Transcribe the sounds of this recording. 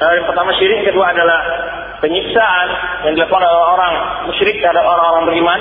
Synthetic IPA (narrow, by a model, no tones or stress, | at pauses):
əjaŋpərt̪amaʃiɾɪkkəduaːdalah | pəɲiksaanjaŋdilakɔaleeoɾaŋoɾaŋ | muʃɾɪk̚t̪əɾrɦadap̚oɾaŋoɾaŋbəɾiman